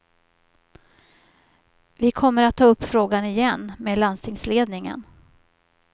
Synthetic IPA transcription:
vɪkʰɔmːəɾat̪ʰːɑːɵpːfɾoːɡanɪjɛnːmeːd̪land̪st̪ʰɪŋsleːd̪nɪŋə̰n

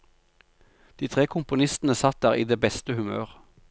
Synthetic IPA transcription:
d̪̥iːt̪ʰʁeːkʰʊmpʊnɪst̪n̩əsɑt̪̚d̪æːʁḭːd̪eːbɛst̪əhʉmø̰ːʁ

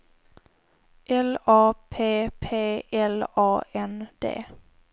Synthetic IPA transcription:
ʔɛlɑːpʰeːpʰeːɛlɑːɛnd̪̥ḛː

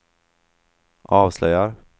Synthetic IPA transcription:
ʔɑːvslœjaɾ

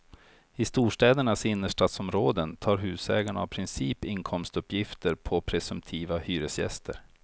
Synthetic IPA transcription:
ɪst̪uːʂʈɛːd̪əɳasɪnːəʂʈat̪sɔmɾoːd̪ənt̪ʰɑːɾɦʉ̟ːsɛːɡaɳaːvpʰɾɪnsiːpɪŋkʰɔmst̪ɵpːjɪft̪əɾpʰɔpʰɾɛsɵmpt̪ʰiːvahyːɾəsjɛ̰st̪ʰə̰ɾ

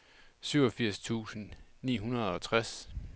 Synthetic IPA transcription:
syʊɒ̽fiɐ̰st͡sʰṵːsən̩nḭːɦunɐð̞ˠɒ̽t͡sʰʁas

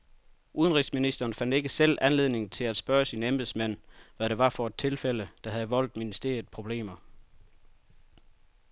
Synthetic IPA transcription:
ʔuðˠənʁisminisd̥ɐːnfæn̰d̥e̝ɡ̥əsel̰ænle̝ð̞̰ˠne̝ŋt͡sʰe̝læd̥sb̥ɶːɐsinemb̥ð̩ˠsmæn̰ʋæɾ̥e̝ʋɑ̈fɒ̽ed̥̚t͡sʰe̝lfel̰əd̥ɑ̈ɦæðˠəʋɒ̽l̰d̥minisd̥e̝̰ːɐð̩ˠpʰʁo̝b̥le̝̰ːmɐ

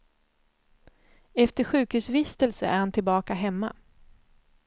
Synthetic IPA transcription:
ɛft̪əɧʉ̟ːkhʉ̟ːsvɪst̪əlsəʔæ̰ːɾhant̪ʰɪlbɑːkaɦɛmːa̰

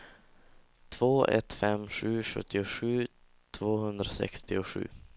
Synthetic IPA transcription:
t̪ʰv̥oːʔɛ̰t̪fɛmɧʉ̟ːʂɵ̰t̪ʰːɪʊʂʉ̟ː | t̪ʰvoːhɵnd̪ɾasɛ̰kst̪ɪʊɧʉ̟̰ː

